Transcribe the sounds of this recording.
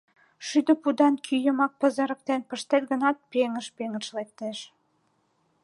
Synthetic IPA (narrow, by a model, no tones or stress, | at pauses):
ʃyd̪əpud̪ɑnkʰyjə̆mɑk̚pə̆zə̆ɾə̆k̚t̪enpəʃt̪et̪̚ɣə̆nɑt̪̚peŋə̆ʃpeŋəʃlek̚t̪eʃ